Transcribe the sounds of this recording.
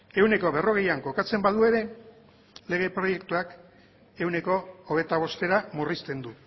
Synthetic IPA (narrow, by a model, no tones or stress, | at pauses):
e̞wne̞ko̞βe̞ro̞ɣ̞e̞jaŋko̞kat͡se̞mbaðue̞ɾe̞ | le̞ɣ̞e̞pɾo̞je̞kt̪uak | e̞wne̞ko̞ːβ̞e̞t̪aβ̞o̞st̪e̞ɾamurist̪e̞nd̪u